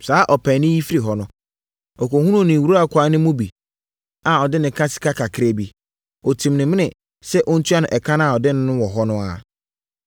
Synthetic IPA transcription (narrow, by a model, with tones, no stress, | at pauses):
saː˨˦ʔɔ˨pʰɛ̃˨nɪ̃˦ji˦fi˦ɾi˨ɦɔ˨nʊ̃˦ | ɔ˨kɔ˨hũ˦nũ˦˨nɪ̃˨wu˨ɾu˦a˦˨kʰʷa˨˦nɪ̃˦mʊ̃˦bi˨ | a˨ɔ˨dɪ˦nɪ̃˨kʰã˦sɪ̥˦kʰa˦kʰa˨kʰɪ˦ɾe˦bi˦ | ɔ˨tʰĩ˨mnɪ̃˨mɪ̃˦nɪ̃˨ | sɛ˦ʔɔ˦n̩˦tʰu˦a˦nʊ̃˨ʔɛ˨kʰã˦ñ˦a˨ɔ˨dɪ˦nɪ̃˦nʊ̃˦wɔ˨ɦɔ˦nʊ̃˦a̰˨